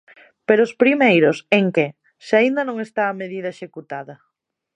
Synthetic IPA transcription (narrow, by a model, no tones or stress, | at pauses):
peɾoʊspɾimejɾʊseŋkɪ | sɪaind̪ɐnõŋest̪aːmeðiðɐeʃekut̪aðɐ